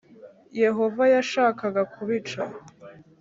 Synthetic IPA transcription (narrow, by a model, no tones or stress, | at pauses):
je̞ɦo̞vajaʃaːkaɡakʰuβit͡ʃa